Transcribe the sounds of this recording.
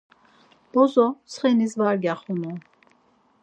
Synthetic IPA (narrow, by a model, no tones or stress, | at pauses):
b̥ɔzɔsχɛnizvaɾɡaχɔnɔ